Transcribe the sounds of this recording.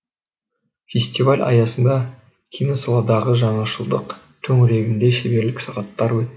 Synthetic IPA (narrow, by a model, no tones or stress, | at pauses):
fʲesʲt̪ivalʲɑ̰jɑsənd̪ɑ | kʲʰijnosɑlˠɑd̪ɑʁəʒɑɴɑʃəlˠd̪əq | t̪ʰɵŋɾe̞ɡʲɪnd̪e̞ʃebe̞ɾlɪksɑʁɑt̪ːɑɾwɵt̪ːɪ